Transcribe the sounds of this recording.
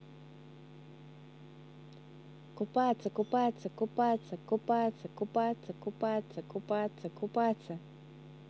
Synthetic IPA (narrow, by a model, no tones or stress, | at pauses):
kʊpat͡sakʊpat͡sakʊpat͡sakopat͡sakupat͡sakupat͡sakupat͡sakʊpat͡sa